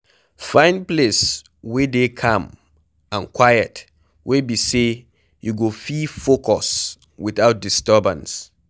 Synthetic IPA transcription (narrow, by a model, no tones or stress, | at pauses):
fãɪ̃nples | wedekʰãm | ãnkʰwajət | wʔebise | juɡofifokʰɔs | wiθaʊt̚distəbə̰̃ns